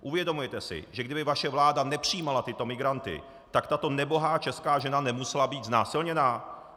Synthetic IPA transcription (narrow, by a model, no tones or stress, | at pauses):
ʔuvjɛdomujɛt̪ɛsɪ̰ʒɛɡdɪbɪvaʃɛvlaːdanɛpr̝̥ɪjiːmalat̪ɪt̪o̞mɪɡɾant̪ɪ̰ | t̪akt̪at̪o̞nɛbo̞ɦaːt͡ʃɛskaːʒɛnanɛmusɛlabiːd̪znaːsɪlɲɛnaː